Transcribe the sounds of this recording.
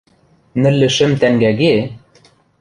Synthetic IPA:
nɘ̆lːɘ̆ʃɘ̆mt̪æŋɡæɡe

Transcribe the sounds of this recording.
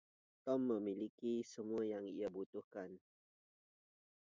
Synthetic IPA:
t̪ɔmːə̃milikisəmuajaŋḭabut̪uhkan

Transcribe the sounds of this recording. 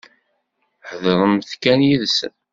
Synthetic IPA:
ħəðɾˤəmθkænjiðsə̰n

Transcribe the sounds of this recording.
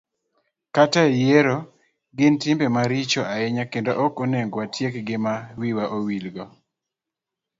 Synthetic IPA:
kataejeɾo | ɡɪntɪmbemaɾit͡ʃoaɛɲakendoʔɔkoneŋɡwatjekɡɪmawiwaʔowilɡɔ

